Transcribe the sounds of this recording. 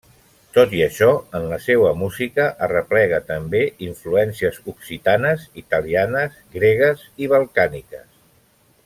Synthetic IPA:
t̪ot̪iəʃɔənləsewəmuzikəʔərəplɛɣ̞ət̪əmbeiɱfluɛnsiəzuksit̪anəzit̪əlianəzɡɾeɣ̞əziβ̞əlˠkanikəs

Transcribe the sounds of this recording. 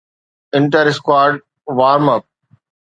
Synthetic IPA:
ɪ̃ɳʈəɾɪskwaːɾɖ | ʋaːɾmɐp̚

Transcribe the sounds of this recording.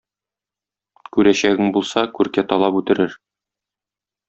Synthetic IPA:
kʉɾæɕæɡɘŋbulˠsɑkʉɾkæt̪ɒlˠɑpʉt̪ɘ̆ɾɘɾ

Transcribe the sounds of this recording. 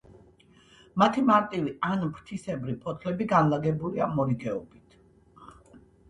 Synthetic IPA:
mat̪ʰimaɾt̪ʼivianpɾt̪ʰisɛbɾipʰʼɔt̪ʰlɛbiɡanlaɡɛbuliamɔɾiɡɛɔbit̪ʰ

